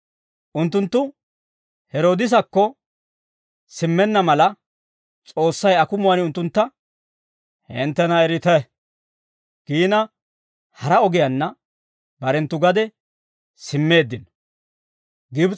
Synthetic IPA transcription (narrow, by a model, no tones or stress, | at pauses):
ʔʊnt̪ːʊnt̪ːʊ | hɛɾoːd̪ɪs̬ɐkːɔ | sɪmːɛnːɐmɐlɐ | t͡sʼo̞ːsːɐjɐkʊmʊwɐnʊnt̪ːʊnt̪ːɐ | hɪnt̪ːɛnɐɛɾɪt̪ɛ | ɡ̥iːnɐ | hɐɾɐɔɡɪjɐnːɐ | bɐɾɛnt̪ːʊɡɐd̪ɛ | sɪmːe̞ːd̪ːɪn | ɡɪb